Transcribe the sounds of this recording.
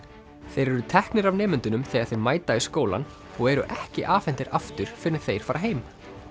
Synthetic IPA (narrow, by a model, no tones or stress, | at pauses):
θejɾɛɾʏt̪ʰɛhknɪɾavnɛːmʏnt̪ʏnʏmθɛːɣaɾθejɾmaːjt̪aɪskoːwla̰n | ɔɣɛɾʏ̰ʔɛhcɪʔaːfɛn̥t̪ɪɾʔaft̪ʏɾ̥fɪɾnɪ̥θejɾ̥faːɾaɦeːjm